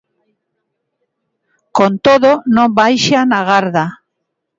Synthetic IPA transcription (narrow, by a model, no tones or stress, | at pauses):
kont̪oðonõmbajʃanaɣaɾða